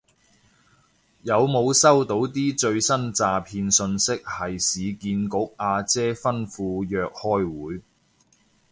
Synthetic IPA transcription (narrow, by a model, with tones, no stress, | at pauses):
jɐ˨˧wmo˨˧wsɐ˥wt̪o˨˥wt̪̬iː˥t͡ʃɵ˧ɥsɐ˥nt͡saː˨˧pʰiː˧nsɵ˧nsɪ˥k̚hɐ˨jsiː˨˧kiː˧nkʊ˨˥k̚ʔaː˧t͡sɛː˥fɐ˥nfuː˧jœː˨k̚hɔː˥jwuː˨˥j